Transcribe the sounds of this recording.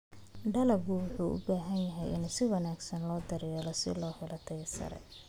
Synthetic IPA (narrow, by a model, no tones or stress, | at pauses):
ɖɐlɐbɡʊwʊħuːʔʊ̰baːɦɐnjɐɦɛjɪ̰nsɪwɐnaːɡsɐnlɔːd̪ɐɾɛjɛːlɔsɪ̰lɔːhɛlɐt̪ʰɛjsɐ̰ɾɛ̰